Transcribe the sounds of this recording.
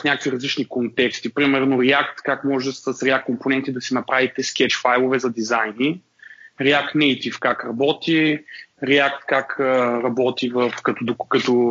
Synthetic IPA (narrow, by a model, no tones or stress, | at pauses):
fnʲakəkviɾɐzlit͡ʃnikont̪ɛkst̪ipɾimɛɾnoɾɛak̚t̪kakmɔʒsɐsɾɛakkomponɛnt̪id̪ɐsinɐpɾavit̪ɛsk̟ɛt͡ʃfajlˠovɛzɐd̪izajni | ɾɛak̚t̪nɛjt̪ifkakɾɐbɔt̪iɾɛakt̪kakəɾɐbɔt̪ivɐfkɐt̪od̪okɐt̪ɔ